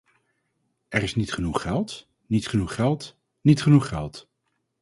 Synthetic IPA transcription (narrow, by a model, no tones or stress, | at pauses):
ɛrɪsnitχənuχːɛlˠt | nitχənuχːɛlˠt | nitχənuχɛlˠt